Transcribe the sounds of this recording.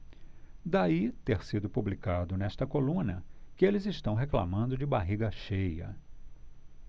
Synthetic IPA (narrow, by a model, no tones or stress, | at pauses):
d̪ait̪eɾsid̪ʊpublikad̪ʊnɛʃt̪ɐkolũnɐkɪelɪzɪʃt̪ɐ̃w̃ɦekla̰mɐ̃nd̪ʊd͡ʒɪbaɦiɡɐʃejɐ̰